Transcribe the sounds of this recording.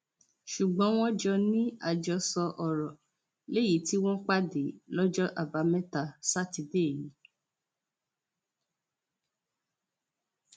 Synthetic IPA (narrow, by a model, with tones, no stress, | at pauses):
ʃu˨ɡ͡bɔ̃˨˦w̃ɔ̃˦d͡ʒɔ˧nĩ˦a˧d͡ʒɔ˧sɔ˧ʔɔ˨ɾɔ˨ | le˦ji˨˦ti˦w̃ɔ̃˦k͡pa˦de˨lɔ˦d͡ʒɔ˦ʔa˦˨ba˨˦mɛ̃˦ta˧sa˦ti˧de˦˨ji˨˦